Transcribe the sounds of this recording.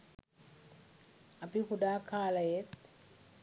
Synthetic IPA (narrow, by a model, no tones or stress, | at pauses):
ɐpikuɖaːkʰaːlɐjet̪̚